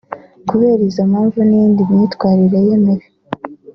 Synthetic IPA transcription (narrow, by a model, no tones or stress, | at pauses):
kuβeːɾizamaːɱvunindimɲiːtkwaːɾiɾaje̞meɾe